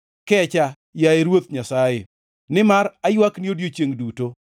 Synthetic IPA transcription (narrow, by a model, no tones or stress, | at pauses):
kɛt͡ʃa | jaeɾwot̪ɲasaje | nɪmaɾajwakniodjot͡ʃeŋduto